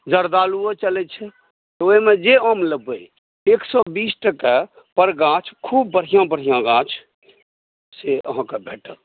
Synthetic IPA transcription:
d͡ʒəɾd̪aluot͡ʃəlɛt͡ʃʰɛ | t̪ɔoimed͡ʒeomləbə | eksɔbisʈəka | pəɾɡãt͡ʃʰkʰubːəɽ̤ijãbəɽ̤ijãɡãt͡ʃʰ | seəɦãkebʱeʈə̰l

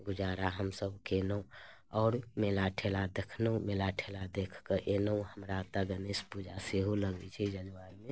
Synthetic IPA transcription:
ɡʊd͡ʒaːɾaɦəmsəbkeːnəũ | ɔːɾmeːlaʈʰelad̪ekʰnəũmelaʈʰelad̪ekʰkəʔeːnəũhəmɾat̪əɡənespud͡ʒʱaseɦoləɡit͡ʃʰɛd͡ʒənʋaɾmẽ

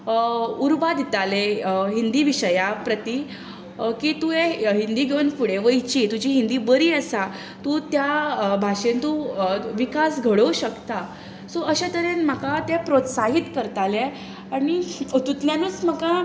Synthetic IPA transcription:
uɾbad̪it̪aleɦind̪iːʋiɕəjapɾət̪i | kiːt̪ueɦind̪iːɡʱeənfuɽeʋəit͡ɕiːt̪ud͡ʑiːɦind̪iːbəɾiːəsa | t̪ut̪jabʱaʂent̪uʋikasɡʱəɽəuɕəkt̪a | soəɕat̪əɾenm̤əkat̪epɾot̪saɦit̪kəɾt̪ale | aɽ̃it̪ut̪ljanut͡sməka

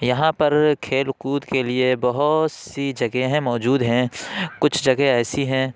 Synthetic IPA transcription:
jɐɦãpɐɾkʰeːlkuːd̪keliebɐɦʊt̪sid͡ʒɐɡeɦɛ̃mɔːd͡ʒuːd̪ɦɛ̃kʊt͡ʃʰd͡ʒɐɡeɛːsiɦɛ̃ː

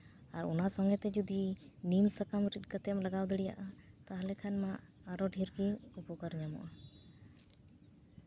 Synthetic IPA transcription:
aɾɔ̰nasɔŋɡɛt̪ɛd͡ʒud̪inimsəkamɾit̪̚kət̪ɛmlaɡawd̪ɛɽija̰ʔat̪aɦlɛkʰanmaː | ɾɔɖʱiɾɡiupɔkəɾɲamɔ̰ʔa

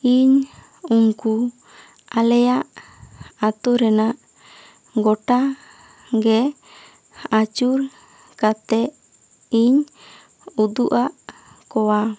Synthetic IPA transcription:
iɲ | uŋku | alɛjaʔ | at̪ɔɾɛnaʔ | ɡɔʈa | ɡɛ | at͡ʃuɾ | kat̪ɛʔ | iɲ | ud̪uʔaʔ | kɔwa

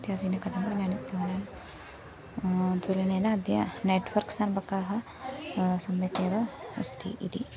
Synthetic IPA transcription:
t̪jad̪inɐkɐd̪ʱɐmbɐnaːnipɾɐːɳaːm | t̪elɐneːnɐd̪jɐ̰neːʈʋɐɾksaːnbɐkaːɦɐ̆ | sɐmjɐkeːʋɐɐ̰st̪ʰḭʔḭd̪ḭ

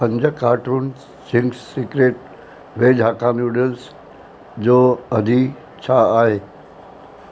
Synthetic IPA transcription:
pə̃ɲd͡ʑəkaːʈɾuːn | sɪŋɡssikɾeːʈ | ʋeːd͡ʒʱaːkaːnuɖəls | d͡ʒoːɐd̪ʱi | t͡ɕʰaaːɦeː

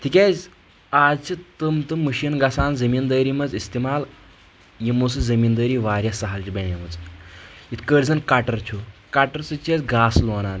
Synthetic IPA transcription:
t̪ʰikʲed͡z | ad͡zt͡ɕit̪əmt̪ɨmːəɕinɡasaːnzəmiːnd̪əːɾimɐd͡zist̪imaːl | jimosɨzəmiːnd̪əːɾiːʋaːɾʲjasɐɦalt͡ʃibeɳemɐd͡z | it̪ʰkəɽd͡zɐnkaʈəɾt͡ʃʰokaʈəɾsɨt͡ʃet͡sɡaːslonaːn

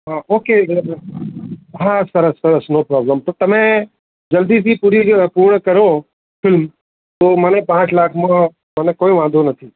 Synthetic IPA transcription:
ɦaʔoːke | ɦasəɾəsəɾəsnopɾɔbləmt̪ot̪əmẽ | d͡ʒəld̪iːsipuːɾipuːɾɳəkəɾo | fʰɪlm | t̪oːmənepãːt͡ʃlaːkʰmãː | mənekoːĩʋãːd̪ʱonət̪ʰiː

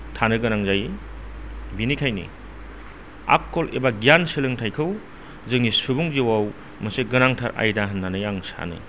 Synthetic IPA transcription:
tʰanɯɡɯnaŋzaj | binikʰajnḭ | a̰kːolebaɡijansilɯŋtʰajkʰɯw | zɯŋisubuŋziwaw | mɐseɡɯnaŋtʰaɾʔa̰jdaɦɐnːanɯjaŋsa̰nɯ̰

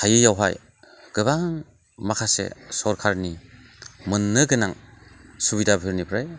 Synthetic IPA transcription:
hajɯjawɦa̰j | ɡ̥ɯβaŋ | makʰasḛsɔɾkʰaɾni | mɯnːɯɡɯnaŋsuβidabʱɯɾnibʰɾaj

